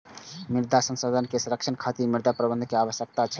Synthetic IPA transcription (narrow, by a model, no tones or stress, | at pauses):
miɾd̪ʱasə̃nsod̪ʱənkesuɾəkt͡ʃʰənkʰat̪imiɾd̪ʱapɾəbənd̪ʱkeaʋəsjək̚t̪at͡ʃʰɛ